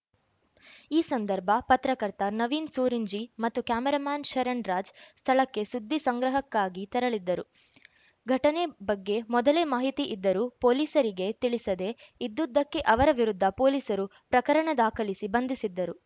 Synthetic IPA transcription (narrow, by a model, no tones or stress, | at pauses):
iːsɐnd̪ɐɾbʱɐpɐt̪ɾɐkɐɾt̪anɐʋiːnsuːɾiɲd͡ʒimɐt̪ːukaːmɛɾamaːnʃɐɾɐnɾaːd͡ʒst̪ʰɐɭɐkːe̞sud̪ʱːisɐŋɡɾɐɦɐkːaːɡit̪ɐɾɐɭid̪ːɐɾu | ɡʱɐʈɐnebɐɡːe̞mɔd̪ɐleːmaːɦit̪iʔid̪ːɐɾuːpo̞ːliːsɐɾiɡe̞t̪iɭisɐd̪e̞id̪ːud̪ːɐkːe̞ʔɐʋɐɾɐʋiɾud̪ʱːɐpo̞ːliːsɐɾupɾɐkɐɾɐɳɐd̪aːkʰɐlisibɐnd̪ʱisid̪ːɐɾu